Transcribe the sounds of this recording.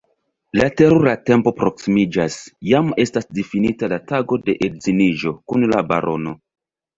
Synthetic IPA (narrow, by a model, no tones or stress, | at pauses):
late̞ɾoɾate̞mpo̞pɾo̞ksimid͡ʒasjame̞stasdifinitalataɡo̞de̞ʔedziniʒo̞kunlaba̰ɾʔo̞no̞